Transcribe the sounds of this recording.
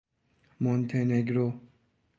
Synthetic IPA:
mont̪ʰeneɡɾo

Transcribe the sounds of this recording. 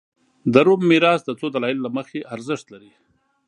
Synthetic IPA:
d̪əɾumːiɾɑsd̪ət͡sod̪alɑɪlːaməxeʔaɾzɪʂt̪laɾi

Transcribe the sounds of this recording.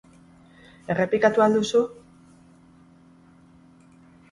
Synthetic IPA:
e̞re̞plikat̪uald̪usu

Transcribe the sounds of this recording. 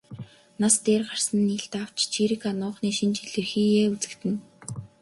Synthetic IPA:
nast̪eːrɢar̥sə̆nːiːɬt̪aw̥t͡ɕt͡ɕʰiɾikanʊːχniːʃint͡ɕiɮɘ̆rxiːjeːut͡sɘ̆kt̪ɘ̆n

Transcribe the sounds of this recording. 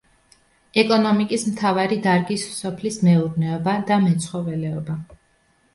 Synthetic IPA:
ɛkʼɔnɔmikʼismt̪ʰavaɾid̪aɾɡissɔpʰlismɛuɾnɛɔbad̪amɛt̪sʰχɔvɛlɛɔba

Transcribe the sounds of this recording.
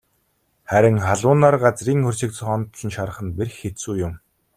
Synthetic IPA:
χæɾʲɪ̆ŋχaɮʊːnaːrɢat͡sriːŋxɵr̥ʲt͡ɕɪ̆k̚t͡sʰχɔnt̪t͡ɕɪ̆nʃaɾə̆χə̆nperxːesuːjʊm

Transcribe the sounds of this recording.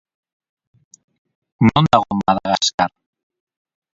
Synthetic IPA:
nond̪aɣomaðaɣaskaɾ

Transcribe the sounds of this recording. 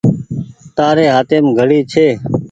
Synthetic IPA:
t̪aːɾeːɦaːt̪eːmɡʱəɽiːt͡ʃʰeː

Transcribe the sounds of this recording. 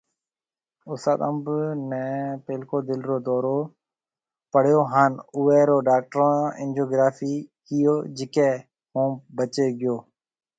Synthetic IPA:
ʊst̪a̰ːt̪əmbnɛ̃ːpeːlkoːd̪ɪlɾoːd̪ɔːɾoː | pəɽ̤joːɦaːnʊːɛːɾoːɖaːk̚ʈɾõːɪ̰̃nd͡ʒoːɡɾaːfiːkɪjoːd͡ʒɪkɛː | hũːbət͡ʃeːɡɪjoː

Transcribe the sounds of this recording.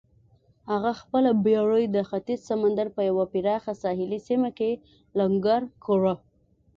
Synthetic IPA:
haɣaxpəlabjɑɽəjd̪əxat̪izsamand̪aɾpəjawapiɾɑxasɑɦɪlisimake | laŋɡaɾkʰoɾa

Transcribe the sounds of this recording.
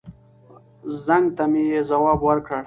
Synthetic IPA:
zaŋɡt̪amijezawɑːbwəɾkɽaɽ

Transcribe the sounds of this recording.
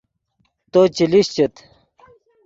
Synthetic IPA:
t̪ot͡ɕiliɕt͡ɕet̪

